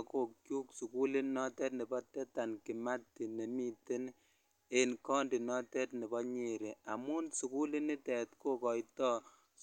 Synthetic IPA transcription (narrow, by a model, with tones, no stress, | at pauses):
ko˨kkju˦ksu˨ku˦le˦nɔ˦tɛ˦tni˨bɔ˦tɛ˦ta˨nki˨ma˦tːi˨ne˨mi˦te˦n | e˨nkɔ˦ndi˨nɔ˦tɛ˦tni˨bɔ˦ɲe˨ɾe˨a˨mu˦nsu˨ku˦li˦ni˦tɛ˨tko˦kɔ˨jtɔ˦